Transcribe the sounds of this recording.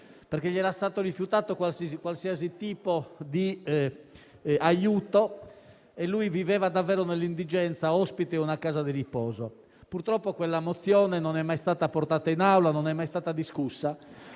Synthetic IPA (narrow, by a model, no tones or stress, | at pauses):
peɾk̟eʎːiɛːɾast̪aːt̪orifjut̪aːt̪okwalsikwalsiːazit̪iːpod̪i | ajuːt̪o | elːujvivɛːvad̪avːɛːɾɔnelːind̪id͡ʒɛnt̪saɔspit̪ɛunakaːzad̪iɾipɔːzo | puɾt̪ɾɔpːokwelːamot̪sːjɔːnɛnɔnɛmːajst̪aːt̪apɔɾrt̪aːt̪ainawlanɔnɛmːajst̪aːt̪ad̪iskusːa